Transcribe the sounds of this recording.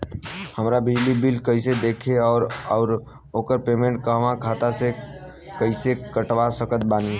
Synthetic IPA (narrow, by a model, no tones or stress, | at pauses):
həmɾabɪd͡ʒlibilkəɪsed̪eːkʰeɔːɾɔːɾ | oːkəɾpeːmẽɳʈ̚kəɦʋãkʰaːt̪ase | kəɪsekəʈʋasəkət̪̚baːni